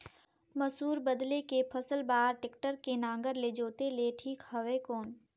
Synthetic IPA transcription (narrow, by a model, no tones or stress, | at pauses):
məsuːɾbəd̪lekepʰəsəlbaːɾʈɪkʈəɾkenãːŋɡəɾled͡ʒoːt̪eleʈʰiːkhɐʋekɔːn